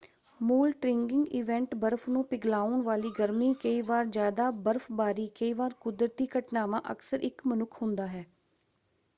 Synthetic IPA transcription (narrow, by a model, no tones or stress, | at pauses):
muːlʈɾɪŋɡɪŋɡiːʋɛ̃ɳʈbəɾfnũːpɪɡlaːʊɳʋaːliːɡəɾmiːkəiːʋaːɾd͡ʒjaːd̪aːbəɾfbaːɾiːkəiːʋaːɾkʊd̪ɾət̪iːkəʈnaːʋã̰ːʔə̰ksəɾʔɪkmənʊkʰɦʊ̃nd̪aːɦɛː